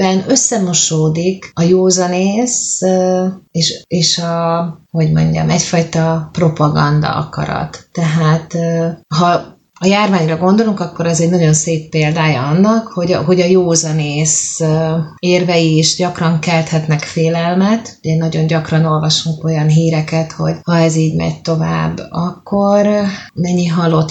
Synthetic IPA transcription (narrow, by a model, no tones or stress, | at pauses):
bɛnø̞sːɛmo̞ʃoːd̪ikɒjoːzɒneːs | eːʃeːʃɒho̞ɟmo̞̰ɲɟɒ̰mɛcfɒjt̪ɒpro̞pɒɡɒ̰nd̪ɒ̰ɒ̰kɒ̰ɾɒ̰t̪ːɛɦaːt̪ːɦɒ | ɒjaːrvaːɲrɒɡo̞nd̪o̞luŋkɒkːo̞ɾɛzɛɟnɒɟo̞nseːpːeːld̪aːjɒɒnːɒkho̞ɟɦo̞ɟɒjoːzɒneːs | eːrvɛjiʃɟɒkrɒŋkɛlt̪hɛt̪nɛkfeːlɛlmɛt̪uɟɛnɒɟo̞ɲɟɒkrɒno̞lvɒʃuŋko̞jɒnɦiːɾɛkɛt̪ho̞ɟhɒɛziːɟmɛ̰ɟt̪o̞va̰ːbːɒkːornɛɲːiɦɒlo̞t̪